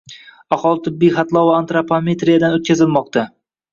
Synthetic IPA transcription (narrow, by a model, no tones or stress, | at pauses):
aχɒlˠɪt̪ʰɪbːijχat̪lˠɒaant̪ɾapʰome̞t̪ɾijad̪anot̪kʲʰazɪlˠmɒq̚t̪ʰa